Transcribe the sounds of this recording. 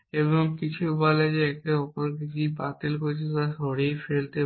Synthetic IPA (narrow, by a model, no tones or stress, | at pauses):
eβoŋkit͡ɕʰubɔled͡ʑeɛkʈeɔpoɾkekibat̪elkoɾt͡ɕʰit̪aʃɔɾejfelt̪e